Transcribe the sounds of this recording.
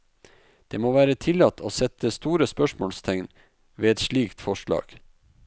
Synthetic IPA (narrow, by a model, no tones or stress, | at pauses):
d̪̥eːmoːʋæːɾət̪ʰɪlɑt̪ːʰoːsɛt̪əst̪uːɾəspœʃmoːlst̪ʰɛŋn | ʋeːɛt̪ʃɭiːkt̪fɔʂɭɑ̰ːɡ̥